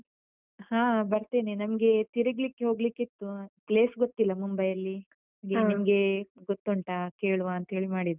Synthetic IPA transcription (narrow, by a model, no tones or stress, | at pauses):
haːbɐɾt̪eːnenɐmɡe̞t̪iɾiɡlikːeɦo̞ːɡlikːit̪ːupleːsɡot̪ːilːɐmumbɐjɐlːinɐmɡenimɐɡe̞ɡot̪ːoɳʈakeːɭuʋaːnt̪ɐɦe̞ːɭimaːɽid̪u